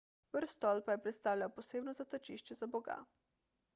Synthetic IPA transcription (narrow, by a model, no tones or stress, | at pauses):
bəɾst̪ɔlpajɛpɾɛt̪st̪aːwlʲjawpɔseːbnɔzat̪at͡ʃiʃt͡ʃɛzabɔɡa̰